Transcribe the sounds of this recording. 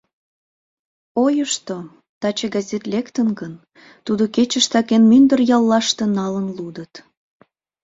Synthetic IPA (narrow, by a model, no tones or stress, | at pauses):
ojəʃt̪o | t̪ɑt͡ɕeɡɑzʲet̪lekt̪ənɡən | t̪ud̪oket͡ɕəʃt̪ɑkenmynd̪ərjɑlːɑʃt̪enɑlənlud̪ət̪